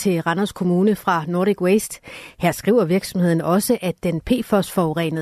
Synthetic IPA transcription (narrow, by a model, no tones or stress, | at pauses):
t͡sʰe̝ʁɑnɐskʰo̝muːnəfʁɑ̈noɐdiɡ̥wesd̥hæɐ̰sɡ̥ʁḭʊ̰ɐʋiɐɡ̥sɒ̽mhe̝ð̰ˠn̩ʔɒ̽səʔæd̥enpʰe̝̰ːfɒsfɒʁɛ̰ːnəð